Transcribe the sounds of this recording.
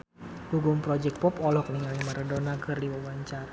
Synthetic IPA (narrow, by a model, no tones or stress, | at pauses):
buɡʊŋpɾɔd͡ʒɛk̚t̚pɔpɔlɔhkniŋalimaɾədonakɨrdiwəwaɲt͡ʃar